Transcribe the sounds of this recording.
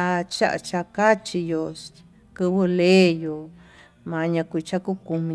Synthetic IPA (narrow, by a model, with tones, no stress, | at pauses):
a˧t͡ʃa̰˦ʔa̰˧t͡ʃa˧ka˦t͡ʃi˧jo˧ | kɨ˧βɨ˧leː˦jo˨ | mã˨˧ɲã˧kʷi˧t͡ʃa˦ku˦ku˧mĩ˧